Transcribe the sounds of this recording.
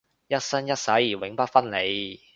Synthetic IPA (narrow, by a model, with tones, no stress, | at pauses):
jɐ˥t̚sɐ˥njɐ˥t̚sɐ˨˥jiː˨˩wɪ˨˥ŋpɐ˥t̚fɐ˥nle˨˧j